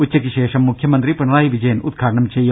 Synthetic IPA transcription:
utːɐkiʃeːʂɐmːukʰjɐmɐnt̪ɾipɐɳɐɭaːɦiʋid͡ʒɐjɐnud̪̚ɡʱaːʈɐɳɐmt͡ʃejɐ

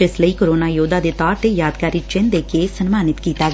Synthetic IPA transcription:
ɪsləiːkoɾoːnaːjoːd̪aːd̪eːt̪ɔːɾt̪eːjaːd̪kaːɾiːt͡ʃɪnd̪eːkeːsənmaːnɪt̪kiːt̪aːɡ

